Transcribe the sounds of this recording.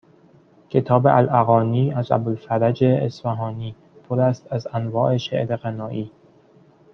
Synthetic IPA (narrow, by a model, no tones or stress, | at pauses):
cʰe̞t̪ʰɒːbeʔælʔæɣɒːniːæzæ̰bolfæɾæd͡ʒeːsfæɦɒːniː | pʰoɾæst̪æzænvɒːʔe̞ʃḛʔɾeɣænɒːʔiː